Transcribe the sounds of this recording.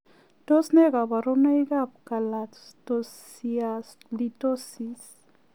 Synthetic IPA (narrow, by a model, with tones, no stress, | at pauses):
t̪o˦sne˦ɣa˨ba˨ɾo˦na˦jɡa˦p̚ka˨la | tos | ias | lito˦si˨s